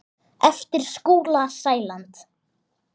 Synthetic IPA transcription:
ɛft̪ɪɾ̥skuːlasaːjlant̪

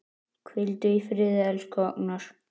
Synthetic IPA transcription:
kʰvɪlt̪ʏifɾɪːðɛlskʰɔknaɾ̥

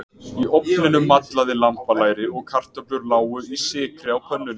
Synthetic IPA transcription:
iʔɔpnɪnʏmːat̪laðɪlampalaːjɾɪɔɣkʰar̥t̪œplʏɾlaːwʏisɪːkɾɪawpʰœnːʏn

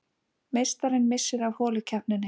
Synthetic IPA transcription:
mejst̪aɾɪnmɪsːɪɾavhɔːlʏcʰahpnɪnɪ

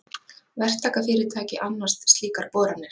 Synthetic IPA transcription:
vɛr̥t̪ʰaːkafɪːɾɪɾt̪ʰaːcɪʔanːar̥st̪st̪liːkaɾpɔːɾanːɪɾ̥

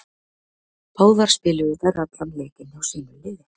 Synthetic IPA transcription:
pʰoːwðaɾ̥spɪːlɪðʏθaɾat̪lamleːcɪnawsiːnʏlɪjɪ

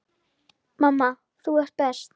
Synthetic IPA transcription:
mamːa | θuɛr̥t̪̚pɛst̪

